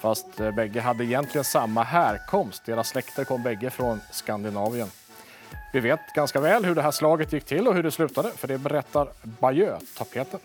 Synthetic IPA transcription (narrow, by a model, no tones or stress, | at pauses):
fast̪bɛɡːəɦad̪ːəɪjɛnt̪ʰlɪɡənsamːaɦæːɾkʰɔmst̪̚d̪eːɾasːlɛkt̪əɾkʰɔmːbɛɡːəfɾɔnskand̪ɪnɑːvɪən | vɪveːt̪ɡanskavɛːlɦɵɖɛɦæːʂlɑːɡət̪jɪkːt̪ʰɪlːɔhɵɖɛslʉ̟ːt̪ad̪əfœɖɛbɛɾɛt̪ːaɾbajøːt̪ʰapʰeːt̪ən